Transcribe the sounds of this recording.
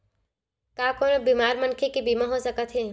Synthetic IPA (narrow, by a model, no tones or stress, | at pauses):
kaːkoːnobiːmaːɾmənkʰekibiːmaɦosəkət̪ʰɦeː